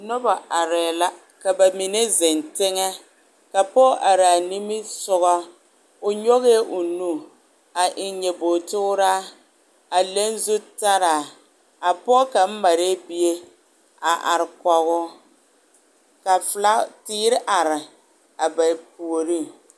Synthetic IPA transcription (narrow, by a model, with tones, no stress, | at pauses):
nʊ˦ba˨ʔa˨ɾɛː˨la˦ | ka˨ba˨mi˨ne˦zɪ˨ntɪ˦ŋɛ˦ | ka˨pɔː˦ʔa˨ɾa˨ni˦mɪ˦sʊ˦ɣɔ˦ | ʊ˨ɲo˦ɣe˦ʔʊ˨nu˦ | a˨ʔɪ˨ɲɛ˨boː˨tʊ˦ɾaː˦ | a˨le˦n˦zu˦ta˦ɾaː˨ | a˨pɔ˦ka˨m̩˦ma˨ɾe˦bi˦je˦ | a˨ʔa̰˨ɾɪ˨kɔ˨ɣʊ˦ | ka˨fla˦tiː˦ɾɪ˦ʔa˨ɾɪ˨ | a˨ba˨p̚u˨o˨ɾi˦˨